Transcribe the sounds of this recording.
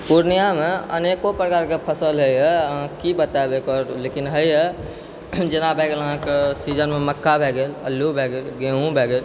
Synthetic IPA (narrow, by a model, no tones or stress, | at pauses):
puɾnijameə̰nekopɾəkaɾkepʰəsəlɦəjɛəɦãkibət̪abekɔɾlekinɦəjə | d͡ʒenabʱeɡeləɦãkesid͡ʒənmeməkːabʱeɡelə̰lːubʱeɡelɡẽɦũbʱeɡel